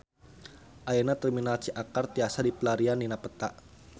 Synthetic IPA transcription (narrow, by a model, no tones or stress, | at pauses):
ʔaenat̪ərminalt͡ʃiʔakart̪iasadipəlaɾianːinapət̪a̰ʔ